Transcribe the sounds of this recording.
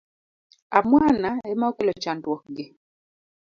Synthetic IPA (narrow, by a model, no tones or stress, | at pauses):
amwanaɛmaokelɔt͡ʃandwɔk̚ɡɪ